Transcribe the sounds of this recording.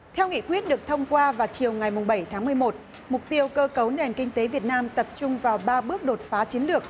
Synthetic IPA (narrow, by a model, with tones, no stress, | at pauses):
t̪ʰɛ˧wŋḭ˧˨kwi˦˥ət̚ɗɨ˨˩ək̚t̪ʰə˧wŋ͡mkwaː˧vaː˨˩wt͡ɕi˨˩əwŋa˨˩jmʊ˨˩ŋ͡mɓə˧˩jt̪ʰaː˨˦ŋmɨ˨˩əjmo˨˩t̚ | mʊ˨˩k͡p̚t̪i˧əwkəː˧kə˨˦wne˨˩nkï˧ŋ̟t̪e˨˦vi˨˩ət̚naː˧mt̪ə˨˩p̚t͡ɕʊ˧ŋ͡mvaː˨˩wɓaː˧ɓɨ˦˥ək̚ɗo˨˩t̚faː˨˦t͡ɕi˨˦ənlɨ˨˩ək̚